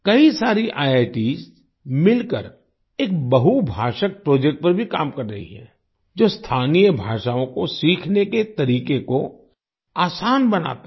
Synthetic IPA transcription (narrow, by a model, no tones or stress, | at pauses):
kɐisaːɾiʔaːjeːʈiːs | mɪlkə̰ɾ | eːk̚bɐɦubʱaːʃək̚pɾoːd͡ʒɛk̚ʈ̚pɐɾbʱikaːmkɐɾːɐɦḭɦɛ̰̃ː | d͡ʒoːst̪ʰaːnijəbʱaːʃaːõkosiːkʰneket̪ɐɾiːkeko | aːsaːnbɐna̰ːt̪a